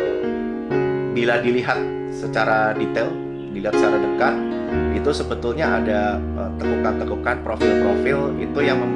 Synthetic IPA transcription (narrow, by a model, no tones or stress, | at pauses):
biladiliɦat̪̚ | sət͡ʃaɾadit̪ɛl | diliɦat̪̚sət͡ʃaɾadəkat̪̚ | it̪usəbət̪ulɲaada | ət̪əɡukant̪əɡukanpɾofɪlpɾofɪlḭt̪ujaŋməm